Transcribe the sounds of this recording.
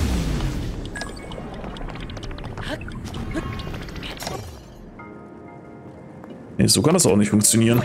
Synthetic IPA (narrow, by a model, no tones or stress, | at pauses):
ha | nḛz̥oːkʰandasaʊχnɪçtfʊŋk̚t͡sjoniːʁən